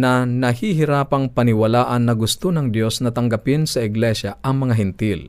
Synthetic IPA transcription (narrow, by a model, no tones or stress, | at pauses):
nɐnɐhiɦɪɾaːpɐŋpɐnɪwɐlaːʔɐnːɐɡʊst̪onɐŋd̪jo̞snɐt̪ɐŋɡɐpɪnsɐʔɪɡlɛʃɐʔɐŋmɐŋaɦɪnt̪ɪl